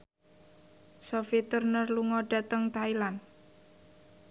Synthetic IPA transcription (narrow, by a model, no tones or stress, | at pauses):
sofit̪urnərluŋɔɖ̥a̤t̪əŋt̪ailan